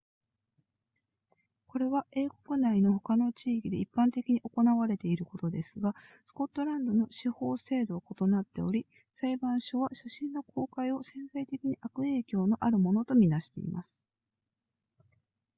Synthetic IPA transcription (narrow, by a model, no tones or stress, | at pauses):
ko̞ɾe̞βae̞ːko̞kɯ̟naino̞ho̞kano̞t͡ɕiːkʲid̪e̞ipːãnt̪e̞kʲiɲ̟iʔo̞ko̞naβaɾe̞t̪e̞iɾɯ̟ko̞t̪o̞d̪e̞sɨɡasɨ̥ko̞t̪ːo̞ɾãnd̪o̞no̞ɕiho̞ːse̞ːd̪o̞ːko̞t̪o̞nat̪ːe̞o̞ɾʲi | saibãɰ̃ɕo̞βaɕaɕĩnːo̞kʰo̞ːkaio̞sẽ̞ñsait̪e̞kʲiɲ̟iʔakɯ̟e̞ːkʲo̞ːno̞ʔaɾɯ̟mo̞no̞t̪o̞mʲinaɕi̥t̪e̞ḭmasɨ̥